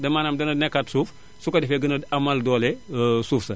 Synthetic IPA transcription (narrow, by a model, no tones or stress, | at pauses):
dɐmaːnamdɐnɐnɛkːatsuːf | sukɐdɛfɛɡɐnɐdamɐldɔːlɛsuːfsɐ